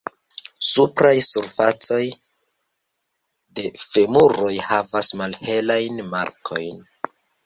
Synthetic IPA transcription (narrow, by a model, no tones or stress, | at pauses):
supɾajsuɾfat͡so̞j | de̞fe̞muɾo̞jhavasmalhe̞lajnma̰ɾkʰo̞̰jn